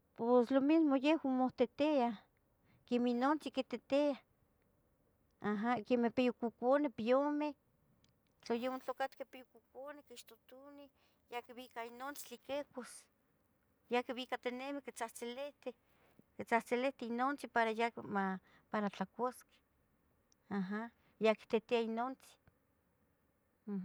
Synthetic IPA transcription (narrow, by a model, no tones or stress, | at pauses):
poslomismojehwamoht̪et̪ea | keminont͡siket̪et̪ea | aɦakemepejokukonepiome | t͡ɬajehwant͡ɬokat̪kepejokukonekiʃt̪ot̪uni | jakiβikainont͡si̥t͡ɬikekos | jakiβikat̪enemekit͡saht͡seleht̪e | kit͡saht͡seleht̪einont͡sipaɾajama | paɾat͡ɬakʷaske̥ | aɦa | jaki̥t̪et̪eainont͡si̥